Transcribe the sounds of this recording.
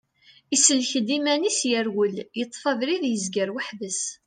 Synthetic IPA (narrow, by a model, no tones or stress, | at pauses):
isəlçəd̪imænisjæɾwəljət̪ˤːfɑðɾiðjəzɡəɾwəħvəs